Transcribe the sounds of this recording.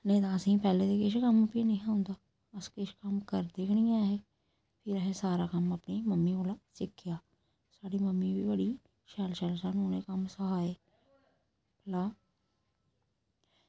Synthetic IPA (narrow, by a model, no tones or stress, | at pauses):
nəĩːt̪ãːəsĩːpɛːleːt̪eːkɪʃkəmpinəĩːãːʊ̃nd̪aː | əskɪʃkəmkəɾd̪eːkʰnɪijaːɦɛː | pʰɪɾəɦeːsaːɾaːkəməpniːməmːiːoːlaːsɪkʰːɪjaː | saːɽiːməmːĩːbiːbəɽiː | ʃɛːlʃɛːlsənoːnẽːkəmsəɦaːeː | plaː